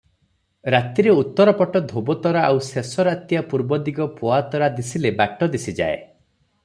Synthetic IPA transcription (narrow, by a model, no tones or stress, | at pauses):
ɾat̪iɾeut̪ːɔɾɔpɔʈɔd̪ʱobɔt̪ɔɾaʔawsesɔɾat̪japuɾbɔd̪iɡɔpoat̪ɔɾad̪isilebaʈːɔd̪isid͡ʒa̰ḛ